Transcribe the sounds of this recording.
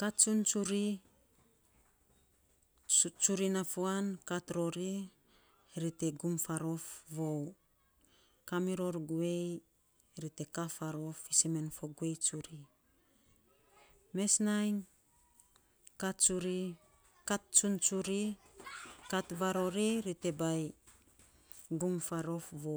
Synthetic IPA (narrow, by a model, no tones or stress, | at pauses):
katt͡ʃunt͡ʃuɾi | t͡ʃuɾinafoankatɾo̞ɾi | ɾite̞ɡumfaɾo̞fβow | kamiɾo̞ɾɡue̞j | ɾite̞kafaɾo̞fiseme̞nfoɡue̞jt͡ʃuɾi | me̞snajŋ | katt͡ʃuɾi | kat̚t͡ʃunt͡ʃuɾi | katβaɾo̞ɾiɾite̞baj | ɡumfaɾo̞fβo